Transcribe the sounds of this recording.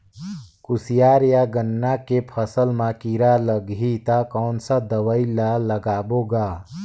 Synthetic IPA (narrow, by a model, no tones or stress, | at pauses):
kusijaɾjaɡənːakepʰəsəlmãkiɾaləɡʱit̪akəʊnsə̃d̪əʋəɪlaləɡaːboɡa